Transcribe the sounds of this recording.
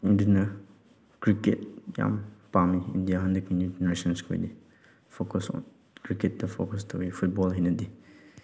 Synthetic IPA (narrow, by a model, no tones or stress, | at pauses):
indinɐ | kɾiket̚ja̰mpamiḭndijaɦɐndɐkinjud͡ʒeneɾesɔnskʰo̰jdi | pʰokɔsɔ̰n | kɾiket̚dɐpʰo̰kɔstʰɐwipʰut̚bɔlɦejnɐdi